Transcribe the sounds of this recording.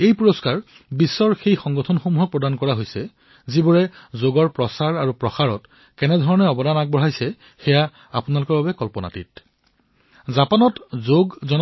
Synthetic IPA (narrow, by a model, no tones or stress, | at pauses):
ejpuɹoskaɹ | bisːɔɹxejxɔŋɡɔtʰɔnxomuɦɔk̚pɹɔdankɔɹaɦojsɛ | zibuɹɛzoɡɔɹpɹɔsaɹaɹupɹɔxaɹɔt | kɛnɛdʱɔɹɔnɛɔbɔdanak̚bɔɹajsɛ | xɛja | apunalʊkɔɹbabɛkɔlpɔna̰tḭt̚ | zapanɔtzoɡzɔn